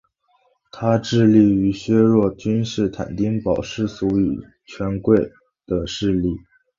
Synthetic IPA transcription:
t̪ʰa˥ʈ͡ʂɻ̩˥˧li˥˩y˧˥ɕɥɛ˥ɻwɔ˥˩t͡ɕy˥nʂɻ̩˥˩t̪ʰa̰˨˩nt̪i˥ŋpɑ˨˩ʊʂɻ̩˥˩su˧˥y˨˩ | t͡ɕʰɥɛ˧˥nkwe˥˩ɪ | d̪̥ə˩ʂɻ̩˥˧li˥˩

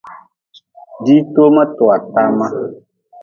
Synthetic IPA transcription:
ɖi˦t̪o˦mɛ̃˦t̪ɔ˨a˨t̪a˦mã˦

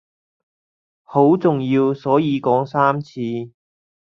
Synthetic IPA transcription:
ho˨˥wt͡sʊ˨ŋjiː˧wsɔː˨˥jiː˨˧kɔː˨˥ŋsaː˥mt͡sʰiː˧

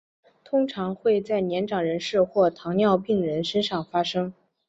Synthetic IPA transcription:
t̪ʰʊ˥ŋʈ͡ʂʰɑ˧˥ŋxwe˥˧ɪt͡sa˥˩ɪnjɛ˧˥nʈ͡ʂɑ˨˩ŋɻə˧˥nʂɻ̩˥˧xwɔ˥˩t̪ʰɑ˧˥ŋnjɑ˥˧ʊpi˥˩ŋɻə˧˥nʂə˥nʂɑ˥˩ŋfa˥ʂɤ˥ŋ

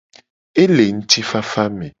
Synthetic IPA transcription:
e˦le˨ŋ̩˦ti˦fa˦fa˦me˨

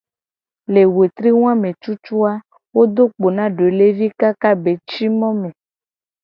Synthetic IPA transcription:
le˨we˨t̪ɾi˦w̃ã˦mẽ˨t͡ʃu˦t͡ʃu˦a˦ | wo˦d̪o˦k͡po˨nã˦ɖe˨le˦vi˦ka˦ka˦be˨t͡ʃi˦mɔ̃˦mẽ˨

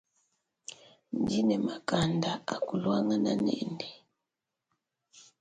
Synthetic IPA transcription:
ndi˦nɛ˨ma˨ka˦nda˨a˨ku˨lwa˦ŋa˨na˨nɛ̰˦ndɛ˨

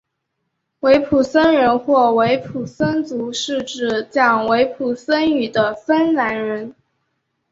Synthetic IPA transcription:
we˧˥ɪpʰu˨˩sə˥nɻə˧˥nxwɔ˥˩we˧˥ɪpʰu˨˩sə˥nt͡su˧˥ʂɻ̩˥˧ʈ͡ʂɻ̩˥˩t͡ɕjɑ˥˩ŋwe˧˥ɪpʰu˨˩sə˥ny˨˩d̪ə˦fə˥nna˧˥nɻə˧˥n

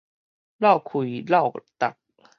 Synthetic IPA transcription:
la˥˩wkʰu˨˦jla˥˩wt̪a̰˨˩k̚

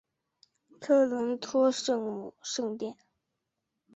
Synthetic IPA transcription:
t̪ʰɤ˥˩lwə˧˥nt̪ʰwɔ˥ʂɤ˥˩ŋmu˨˩ʂɤ˥˧ŋt̪jɛ˥˩n

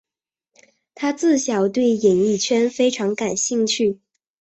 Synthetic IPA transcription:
t̪ʰa˥t͡sɹ̩˥˩ɕjɑ˨˩ʊt̪we˥˩ɪjɛ˨˩ni˥˩t͡ɕʰɥɛ˥nfe˥ɪʈ͡ʂʰɑ˧˥ŋka˨˩nɕi˥˧ŋt͡ɕʰy˥˩

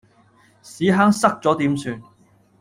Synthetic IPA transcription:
siː˨˥ɦaː˥ŋsɐ˥k̚t͡sɔː˨˥t̪iː˨˥msyː˧n

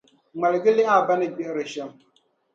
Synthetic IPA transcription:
ŋ͡ma˨lɡi˦li˦a˦˨ba˦nɨ˦ɡ͡be˦ʔɾɨ˨ʃɛ˦m

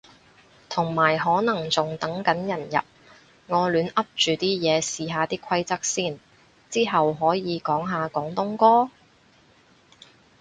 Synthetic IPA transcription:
t̪ʰʊ˨˩ŋmaː˨˩jɦɔː˨˥nɐ˨˩ŋt͡sʊ˨ŋt̪ɐ˨˥ŋkɐ˨˥njɐ˨˩njɐ̰˨p̚ | ŋɔː˨˧lyː˨˧nɐ˥p̚t͡ʃyː˨t̪iː˥jɛː˨˧siː˨˧ɦaː˨˧t̪iː˥kʷʰwɐ˥jt͡sɐ˥k̚siː˥˩n | t͡siː˥ɦɐ˨wɦɔː˨˥jiː˨˧kɔː˨˥ŋɦaː˨˧kɔː˨˥ŋt̪ʊ˥ŋkɔː˥

